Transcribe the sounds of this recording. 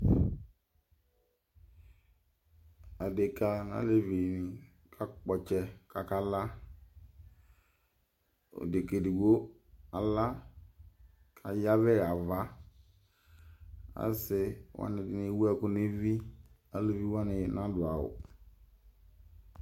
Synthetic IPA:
a˨de˨ka˨na̰˨˦le˦vi˨nɪ˨ | kʰa˦k͡pɔ˨t͡ʃɛ˦kʰa˨ka˦la˦ | o̰˨de˨ke˨dɪ˨ɡo˦ | a˨la˦ | kʰa˨ja˦vɛ˦˨a˨va˦ | a̰˦sɪ˨wʔa̰˦nɪ˨dɪ˨ne˨˦wu˦ɛ˦˨kʊ˦ne˦vi˦ | a˨le˨vi˦wa˦nɪ˨nã˦dʊ˨a˨ʊ̰˨

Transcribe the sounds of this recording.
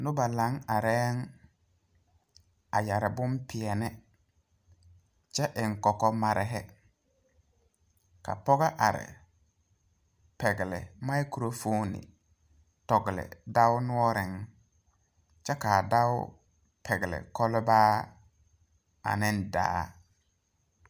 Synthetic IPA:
nʊ˦ba˨la˨˦ŋa˨ɾɛː˦ŋ | a˨ja˨ɾɪ˨bʊ˦mpɪ˨ɛ˨nɛ˦ | t͡ʃɛ˦ʔɪ˨ŋ˨kɔ˨kɔ˦ma˨ɾʔɪ˨ɦɛ˦ | ka̰˨pɔ˦ɣa˦ʔa˨ɾɪ̰˨ | pɛ˨ɡɪ˨lɪ̰˨ma˦jku˨ɾo˦fo˦nɪ̰˨ | tɔ˨ɡɪ˨lɪ̰˨da˦ʊ˦nʊ˦ɔ˦ɾɪ˨ŋ | t͡ʃɛ˦kaː˨da˦wʊ̰˦ | pʰɛ˨ɡɪ˨lɪ̰˨kɔ˦lɪ˦baː˦ | a̰˨nɪ˦n˦da̰ː˦

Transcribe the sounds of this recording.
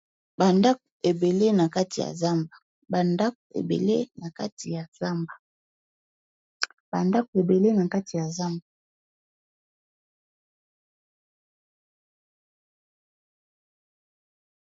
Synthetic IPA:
ba˨nda˦ke˨be˨le˦na˨ka˦ti˨ja̰˨za˦mba˨ | ba˨nda˦kḛ˨bḛ˨le˦na˨ka˦ti˨ja˨za˦mba˨ | b̥a˨nda˦ko˨e˨be˨le˦na˨ka˦ti˨ja˨za˦mba˨

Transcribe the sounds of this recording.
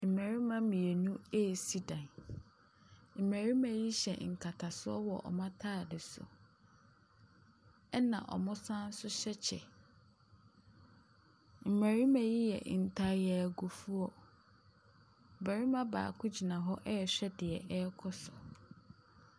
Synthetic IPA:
m̩˨mæ̃˨ɾi˦mã˦mĩ˨e˨nũ˦ɛ˦˨si˦dã˨n | m̩˨mæ̃˨ɾi˦mã˨ji˦ɕɛ̰˨ŋ̩˨kʰa˨tʰa˨sʊ˦ɔ˦wɔ˨ʔɔ̰˨mã˦tʰaː˦˨dɪ˨sʊ̰˨ | ɛ˦nã̰˨ʔɔ̰˨mʊ̃˦sã˦n̩˦sʊ˦ɕɛ˦t͡ɕʰɛ̰˨ | m̩˨mæ˨ɾi˦mã˨ji˦jɛ̰˨n̩˨tʰa˦jɛ˨ɡu˨fu˦ɔ˦˨ | bæ˨ɾi˦mã˦ba̰ː˨kʰʊ̃˦d͡ʑi˨nã˨ɦɔ˦ʔɛ˦˨ɕᶣɛ˦dɪ˨ɛ˨ʔɛ˦kʰɔ˦sʊ˨

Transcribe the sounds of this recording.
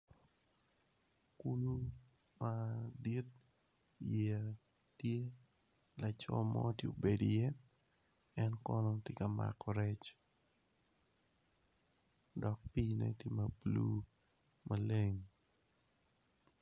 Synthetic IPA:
ku˦lu˦ | madi˦t̚ | jɛa˨ | tje˦ | la˨t͡ʃɔ̰˦mɔtjo˨be˨dijɛ˦ | ɛ˦nkɔ˦nɔtɪ˦kama̰kɔɾɛ˦t͡ʃ | dɔ˨k̚pinɛ̰˦te˦ma˨plu˦ | male˦ŋ

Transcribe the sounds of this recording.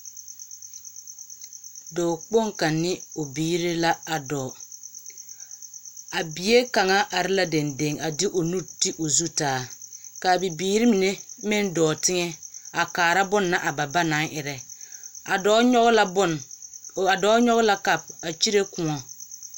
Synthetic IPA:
dɔː˨k͡po˦ŋka˨nːɪ˦o˨biː˦ɾi˦la˦a˨dɔː˨ | a˨bi˨je˦ka˨ŋa˦ʔa˨ɾɪ˦la˦de˨nde˨ŋa˨dɪ˦ʔo˨nu˦ɾti˦ʔo˨zu˦taː˨˦˨ka˨bi˨biː˦ɾi˦mi˨ne˦mɪ˦ndɔː˨tɪ˦ŋɛ˦a˨kaː˨ɾa˦bʊ˦nːa˦ʔa˨ba˨ba˦na˨˦ŋʔɪ˨ɾɛ˨a˨dɔː˦l | a˨dɔː˨˦ɲɔ˦ɣla˦ka˨b̚a˨t͡ʃi˦ɾe˦kʊ˨ŋɔ˨

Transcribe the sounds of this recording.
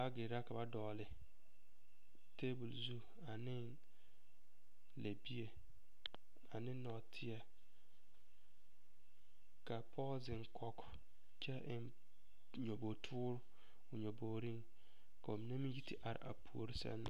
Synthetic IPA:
a˦ɡɪ˨ɾa˦ka˨ba˦dɔː˨lɪ˨ | te˦bu˨lzu˦ | a˨nɪ˦n | le˨bi˦e˨ | a˨nɪ˦nɔ˨tʰɪ˦a˨ | ka˨pʰɔ˦zɪ˨ŋkʰɔ˦k | t͡ʃɛ˦ʔɪ˨n | ɲo˨bo˨tʰʊː˦ɾʊ˦ | ʊ˨ɲo˨boː˨ɾi˦ŋ | ka˨o˨mi˨na˦mi˦ji˦ti˦ʔa˨ɾɪ̰˨ʔa̰˨pʰu˨o̰˨ɾi˦sɛ̰˦nːa̰˨

